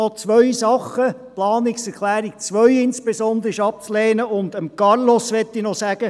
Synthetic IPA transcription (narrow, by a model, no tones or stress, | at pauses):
ɔt͡sʋœɥsɑχəplɑːnɪksɛɾklæːɾik̚t͡sʋœɥɪnspesɔnd̪əɾɪʃɑp̚t͡slɛːnəʊnd̪əmkɑɾlɔsʋɛtːinɔsæɡ̥ə